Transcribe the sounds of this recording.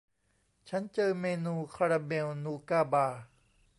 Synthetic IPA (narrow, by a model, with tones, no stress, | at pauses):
t͡ɕʰa˦˥nt͡ɕɤː˧meː˧nuː˧kʰa˧ɾaː˧beː˧wnuː˧kaː˥˩baː˧˩